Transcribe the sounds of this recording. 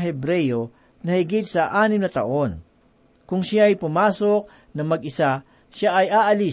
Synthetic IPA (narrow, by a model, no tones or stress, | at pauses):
ɦɛbɾɛjo | nɐhɪɡit̪̚sɐʔaːnɪmnɐt̪ɐ̰ʔo̞n | kʊŋʃaɐjpʊmaːso̞k̚ | nɐmɐɡʔɪsa | ʃaʔɐjʔaːʔɐli